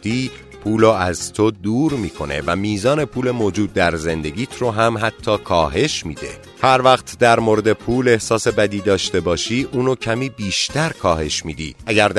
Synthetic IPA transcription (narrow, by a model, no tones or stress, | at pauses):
iː | pʰuːloæzt̪ʰod̪uːɾmiːkʰo̞ne̞̰væmiːzɒːne̞pʰuːle̞moːd͡ʒuːd̪̚ːæɾze̞nd̪e̞ɡʲiːt̪ʰɾoɦæmɦæt̪ʰːɒːkʰɒːɦe̞ʃmiːd̪e̞̰ | hæɾvæχt̪d̪æɾmoɾe̞d̪e̞pʰuːle̞hsɒːse̞bæd̪iːd̪ɒːʃt̪e̞bɒːʃiːʔuːnocʰæmiːbiːʃt̪æɾkʰɒːhe̞ʃmiːd̪ḭːʔæɟæɾd̪